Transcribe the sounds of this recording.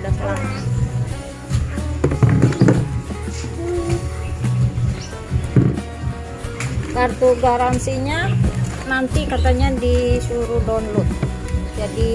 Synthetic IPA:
dala | kart̪uɡaɾansiɲanant̪ikat̪aɲadisuɾudɔnlʊt̪̚d͡ʒadi

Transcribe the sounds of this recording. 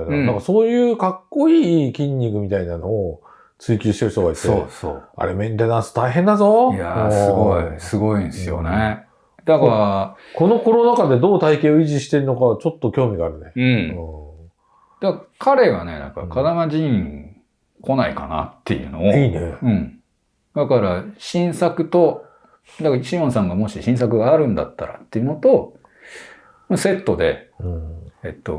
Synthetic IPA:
annãŋkaso̞ːjɯ̟ːkakːo̞iːkʲĩɲ̟ʲːikɯ̟mʲit̪ainano̞ː | t͡sɨikʲɨːɕi̥t̪eɯ̟çt̪o̞ɡait̪ːeoso̰a̰ɾemẽ̞nt̪enãɰ̃sɨ̥t̪aiɦẽ̞nd̪azo̞jasɨɡoisɨɡo̞ĩnsɨjo̞̰ne | d̪akaɾa | ko̞no̞ko̞ɾonakad̪e̞d̪o̞ːt̪aike̞ːoiʑiɕi̥t̪e̞ɾɯno̞kat͡ɕo̞t̪ːo̞kʲo̞ːmʲiɡaːɾɯ̟ne̞ɯ̃ː | d̪̥akkʰaɾe̞βa̰ne̞̰d̪a̰ka̰ɾa̰kʰad̪amaʑĩŋ | kʰo̞naḭka̰na̰t̪ːe̞̰jɯ̰ːno̞ineɯ̟̃ɴ | d̪akaɾaɕĩɰ̃sakɯ̟t̪o̞ | d̪akaɕimõɰ̃sãŋɡamo̞ɕiɕĩɰ̃sakɯ̟ɡaːɾɯ̟̃nd̪a̰t̪ːaɾa̰t̪ːe̞jɯ̟no̞t̪o̞ | mase̞t̪ːo̞d̪e̞̰ | et̪ːo̞̰

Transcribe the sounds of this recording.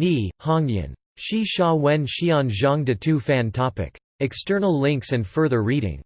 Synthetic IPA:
nihɑ̃ŋjɨ̰̃n | ʃiʃɔwɛ̃nʃiə̃nʒʌ̃ŋdɨtʰufæ̃ntʰɑpɪ̰k | ɨkstɜ˞nl̩ˠlɪ̃ŋksɨ̃nfɜ˞ðə˞ɹiɾɪ̰̃ŋ

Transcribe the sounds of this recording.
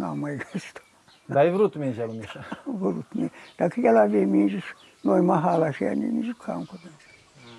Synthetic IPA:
ɑ̰mɑikɑst̪o̥ | t̪ɑiʋrut̪minselmisːæʋurut̪mḭt̪ɑikːɑkælæʋiemiːnsit | noimɑhɑˑlɑsiɑ̰nḭnisit̪hɑ̰uŋkores

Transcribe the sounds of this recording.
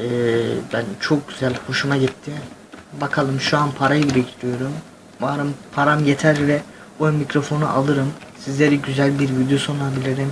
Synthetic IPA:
ɛbænt͡ʃʰo̞k̚ɟyzælʲho̞ʃumaɟit̪ʰːɪ | bakʰalˠɯmʃuanpʰaɾajɯbiɾɛct̪ʰɾijo̞ɾum | vaːɾɯmpʰaɾamjet̪ʰæɾvɛ | ojnmːicɾo̞fo̞nṵʔalˠɯɾɯmsizlʲe̞ɾiɟyzælʲbiɾvid̪joso̞nabilʲiɾim

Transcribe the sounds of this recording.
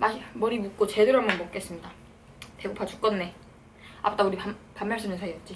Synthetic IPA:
mamʌɾimuk͈̚ot͡ɕedɯɾamʌnmok͈e̞s͈ɯmɲida | te̞ɡopʰat͡ɕu̥k͈ʌnːe̞ | a̰p͈ʰɯt͈auɾiapamːaɭs͈ɯnɯnsʰaijʌt̚t͡ɕ͈i

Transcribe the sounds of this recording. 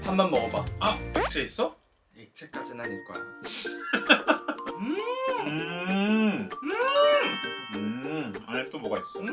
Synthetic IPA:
hambʌnmʌɡʌbaaik̚t͡ɕʰeis͈ʌ | ek̚t͡ɕʰek͈ad͡ʑinaniɭk͈oa̰ɲ | ɯɯ | ɯa̰net͈omʌɡais͈ɯ

